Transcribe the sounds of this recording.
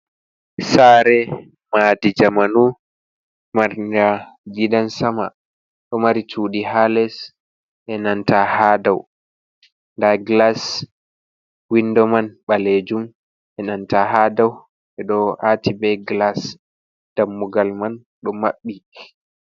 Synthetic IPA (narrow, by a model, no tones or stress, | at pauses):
saːɾɛ | maːdid͡ʒamanu | maɾndaɡidansama | ɗɔmaɾituːɗiɦalɛs | ʔɛnantahaːdaw | ndaɡlas | windɔmanɓaled͡ʒum | ʔɛnantahadaw | ɛɗɔʔatibɛɡlas | d̥amːuɡalman | ɗɔmaɓːi